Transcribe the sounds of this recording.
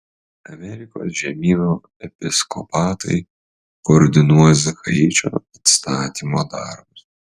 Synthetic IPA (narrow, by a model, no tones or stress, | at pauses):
ɐmʲɛɾʲɪko̰ːsʒʲɛmʲiːʋʲuː | ɛpʲɪskɔ̰pɑːt̪ɐ̰ɪ | koːɾʲd̪ʲɪnuɔjɛzɐxɐ̰ɾʲit͡ʃʲo̰ːit̪st̪ɑːt̪ʲiːmoːd̪ɑɾbʊs